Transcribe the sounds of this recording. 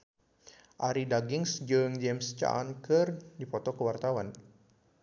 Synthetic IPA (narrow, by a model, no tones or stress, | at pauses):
ʔaɾidaɡɪŋsd͡ʒɨŋd͡ʒɛmst͡ʃa̰nkɨrdipɔt̪ɔkəwart̪awan